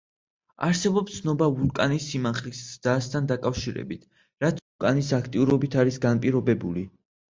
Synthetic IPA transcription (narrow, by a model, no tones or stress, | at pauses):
a̰ɾsɛbɔpst̪sʰnɔbavuɾkʼanisːimaχlisast̪ʰand̪akʼafʃiɾɛ̰bit̪ʰ | ɾat̪ʰuɾkʼanisakʰt̪ʼiuɾɔbit̪ʰaɾisɡanpʼiɾɔbɛbuli